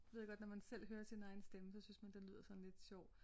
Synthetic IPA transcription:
ʋe̝ð̰ˠɡɒ̽d̥nɒmænsel̰ɦøːɐsinɑ̈ɪnəsd̥eməsɒ̽synsmænd̥enly̰ð̰ˠɐsɒ̽n̩le̝d̥ɕɒʊ̰

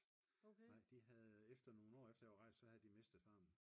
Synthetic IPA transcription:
nɑ̈ɪ̰d̥iɦæðˠefd̥ɐno̝ːn̩ɒ̰ːefd̥ɐɒʁɑ̈ɪ̰sd̥sɒ̽hæð̩ˠd̥ime̝sd̥ð̩ˠfɑ̈ːm̩

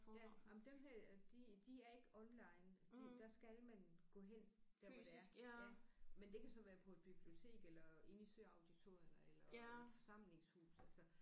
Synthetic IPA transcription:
jæɑmnd̥enɦæɐ̰d̥id̥iæɐe̝ɡ̥əɒ̽nlɑ̈ɪ̰n̥id̥æsɡ̥ælmænɡ̥ɔ̰̽ːɦen̰d̥æeæɐjæmend̥e̝kʰæsɒ̽ʋæːɐpʰɒ̽e̝d̥b̥ib̥lio̝t͡sʰe̝̰ːɡ̥elɐe̝nisøɐɑ̈ʊd̥it͡sʰo̝ɐjɐnəelɐed̥fɒ̽sɑ̈m̰le̝ŋshṵːsælsɒ

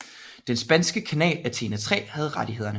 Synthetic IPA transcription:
d̥ensb̥ænsɡ̥əkʰænɛ̰ːlæt͡sʰe̝̰ːnæt͡sʰʁɛ̰ːhæð̞̩ˠʁaɾ̥iɦe̝ð̰ˠɐnə

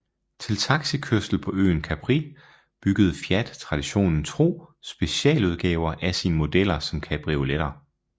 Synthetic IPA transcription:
t͡sʰe̝lt͡sʰɑ̈ɡ̥sikʰøsd̥l̩pʰɒ̽ø̰ːnkʰæb̥ʰʁi | b̥yɡ̥əð̞̩ˠfjæd̥t͡sʰʁɑ̈d̥iɕo̝̰ːnn̩t͡sʰʁo̝̰ːsb̥e̝ɕɛ̰ːluð̞ˠɡ̥ɛːʊɐʔæsiːnəmo̝d̥el̰ɐsɒ̽mkʰæb̥ʁio̝leɾ̥ɐ

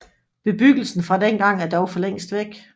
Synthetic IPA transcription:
b̥e̝b̥yɡ̥l̩sn̩fʁɑ̈denɡ̥ɑ̈ŋ̰æɐd̥ɒʊfɒ̽leŋ̰sd̥ʋeɡ̥

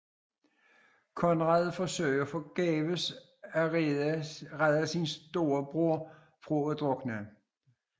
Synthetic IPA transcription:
kʰɒ̽nʁɑðˠfɒsø̰ɪfɒ̽ɡ̥ɛ̰ːʋəs | æ | ʁaðˠəsinsd̥o̝ːɐb̥ʁoɐ̰ | fʁuod̥ʁɔɡ̥nə

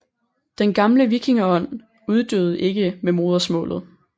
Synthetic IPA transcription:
d̥enɡ̥ɑ̈mləʋiɡ̥ʰiŋɐɒ̽n̰ | uð̞ˠd̥øʊð̞̩ˠʔe̝ɡ̥əmemo̝ːð̞ˠɐsmɔ̰ːlð̞̩ˠ

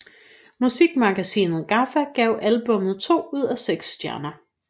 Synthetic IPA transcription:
musiɡ̥mɑ̈ɡ̥æsḭːnð̞̩ˠɡ̥ɑ̈fæɡ̥ɛʊʔælb̥ɔ̽mð̩ˠt͡sʰo̝̰ːuð̞̰ˠæseɡ̥sd̥jæɐnɐ

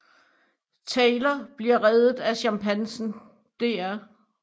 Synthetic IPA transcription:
t͡sʰɛːlɐb̥liɐʁɛðˠð̩ˠæɕɑmpʰænsn̩ | d̥e̝æɐ

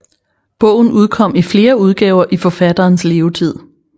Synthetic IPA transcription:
b̥ɔ̽ʊ̰n̩uð̞ˠkʰɒ̽m̰ifle̝ːɐuð̞ˠɡ̥ɛːʊɐʔifɒ̽fæd̥ɐːnsle̝ːʊt͡sʰið̞̰ˠ

